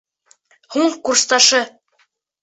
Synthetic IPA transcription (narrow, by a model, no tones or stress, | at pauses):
huɴkuɾst̪ɑʃɤ